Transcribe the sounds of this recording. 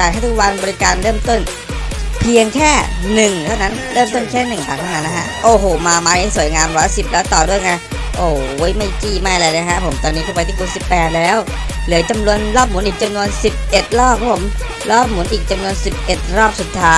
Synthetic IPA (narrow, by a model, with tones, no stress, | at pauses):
aː˨˩k̪̚ʰa˥˩t̪u˦˥k̚wa˧nbɔː˧ɾi˦˥kaː˧nɾɤː˥˩mt̪o˥˩n | pʰi˧əŋkʰɛː˥˩nɯ˨˩ŋt̪ʰa˥˩wna˦˥nɾɤː˥˩mt̪o˥˩nkʰɛː˥˩nɯ˨˩ŋka˨˩t̪ʰa˥˩na˦˥nːa˦˥kʰa˦˥ʔʔoː˧˩ɦoː˨˩maː˧maː˧ni˦˥˩su˨˩əjŋaː˧mɾɔː˦˥si˨˩p̚lɛː˦˥wt̪ɔː˨˩du˥˩əjŋa˧j | ʔoː˧˩wjma˥˩jkiː˥˩maː˥˩jlaː˧jlːkʰa˦˥ʔpʰo˩˦mt̪ɔː˧nːiː˦˥kʰuː˦˥˩pa˧jt̪ʰiː˥˩kʰu˧nsi˨˩pːɛː˨˩t̪̚lɛː˦˥w | lɯ˩˦t͡ɕa˧mnu˧ənɾɔː˥˩p̚mu˨˩˦nʔiː˨˩k̚t͡ɕa˧mnu˧ənsi˨˩p̚ʔe˨˩t̪̚ɾɔː˥˩p̚kʰːa˦˥pʰo˩˦m | ɾɔː˥˩p̚mu˨˩˦nʔiː˨˩k̚t͡ɕa˧mnu˧ənsi˨˩p̚ʔe˨˩t̪̚ɾɔː˥˩p̚su˨˩t̪ʰːaː˦˥